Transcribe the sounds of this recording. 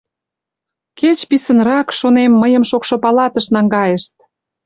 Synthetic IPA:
ket͡ɕpisənrɑkʃonemːəjəmʃokʃopɑlɑt̪əʃnɑŋɡɑjeʃt̪̚

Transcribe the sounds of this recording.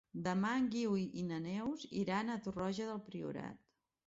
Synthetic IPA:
d̪əmaŋɡiwiʔinənɛwzḭɾanət̪urɔʒəðəlˠpɾiṵɾa̰t̪

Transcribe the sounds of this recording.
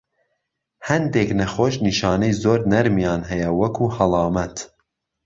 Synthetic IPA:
hɐnd̪eːknɐxoːʃniʃɑːnɛjzoːɾnɐɾmijɑːnɦɛjɛwɐkʰuːhɐlˠɑːmɛt̪

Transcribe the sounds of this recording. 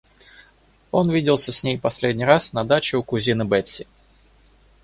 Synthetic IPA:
o̞nvʲidʲɪlˠsʲəsʲnʲejpɐsʲlʲedʲnʲijɾasnɐd̪at͡ɕɪʊkʊzʲinɨbɛt̪ʲsʲɪ

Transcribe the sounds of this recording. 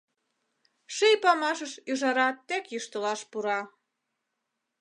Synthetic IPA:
ʃejpɑmɑʃəʃyʒɑɾɑt̪ːekjuʃt̪ə̆lɑʃpuɾɑ

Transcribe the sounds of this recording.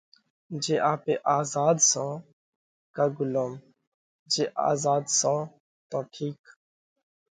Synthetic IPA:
d͡ʒeːʔaːpeːʔaːzaːd̪sãː | kaɡʊloːm | d͡ʒeːʔa̰ːzaːd̪sãː | t̪ɔ̃ːʈʰiːk

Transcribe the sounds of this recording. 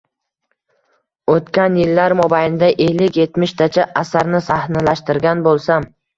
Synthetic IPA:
ot̪kʲanjɪlːaɾmɒbajlɪd̪aʔelːɪkʲje̞t̪mɪʃt̪ʰat͡ʃʰaʔːsaɾnɪsahnalaʃt̪ɪɾɡʲanbolˠsam

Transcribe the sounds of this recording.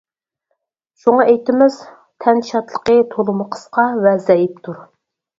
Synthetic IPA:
ʃuŋɑʔejt̪ɪmɪz̥ | t̪ʰɛnʃɑt̪lˠəqət̪ʰolˠʊməqʰə̥sqʰɑvɛzɛjip̚t̪ʰuɾ

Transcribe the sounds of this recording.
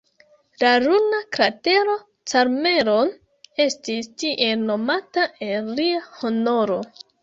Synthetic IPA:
laɾunakɾate̞ɾo̞ | t͡saɾme̞ɾo̞n | e̞stistiʔe̞lno̞mataʔelɾiaho̞no̞ɾo̞

